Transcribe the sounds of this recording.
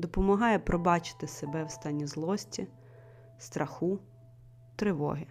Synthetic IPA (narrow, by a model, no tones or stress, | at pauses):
d̪ɔpɔmɐɦɑjɛpɾɔbɑt͡ʃɪ̥t̪ɪsebɛwst̪ɑnʲːizlˠɔsʲtʲi | st̪ɾʔɐxu | t̪ɾɪʋɔ̰ɦɪ